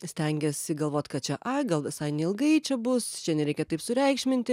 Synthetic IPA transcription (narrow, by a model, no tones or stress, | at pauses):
sʲt̪ʲɛŋʲɡʲɛsɪɡɐlˠʋoːt̪ʲkɐt̚t͡ʃʲɛʔɐɡɐlˠʋʲɪsɐɪnʲɛɪlˠɡɐɪt͡ʃʲɛbʊst͡ʃʲɛnʲɛɾʲɛɪkʲɛt̪ɐɪpsʊɾʲɛɪkʃʲmʲɪnʲt̪ʲɪ